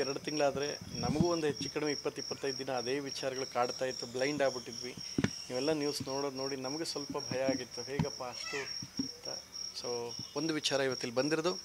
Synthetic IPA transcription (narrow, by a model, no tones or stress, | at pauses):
ɛɾɐɽut̪iŋɡɐɭaːd̪ɐɾe̞nɐmɐɡuond̪uɦet͡ʃːikːɐɽɐmeipːɐt̪ːipːɐt̪ːɐjd̪ud̪inɐːd̪e̞ːʋit͡ʃaːɾɐɡɐɭukaːɽt̪aːjit̪ːublɐjɳɖaːɡbiʈːid̪ʋiniːʋɛlːɐnjuːsno̞ːɽod̪no̞ːɽinɐmɐɡesʋɐlpɐbʱɐjɐaːɡit̪ːuɦeːɡɐpːaɐʂʈut̪ːasoːond̪uʋit͡ʃaːɾɐiʋɐt̪ːilːibɐnd̪iɾɐd̪u